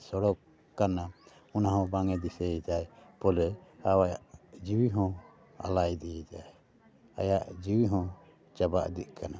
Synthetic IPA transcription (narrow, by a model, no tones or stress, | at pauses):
sɔɽɔkː | ana | ɔnaɦɔ̃baŋɛd̪isɛɛt̪ajpɔlɛawajaʔd͡ʒiwiɦɔ̃ | a̰lajd̪iɛt̪aj | a̰jaʔd͡ʒiwiɦɔ̃ | t͡ʃaba̰ʔd̪it̪̚ˀkʰana